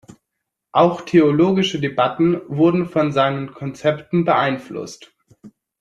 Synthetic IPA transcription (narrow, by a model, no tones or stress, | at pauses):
ʔaʊxtʰeoloːɡɪʃədebatn̩vʊɐdn̩fɔnzaɪnənkʰɔnt͡sɛptn̩bəʔaɪnflʊ̰st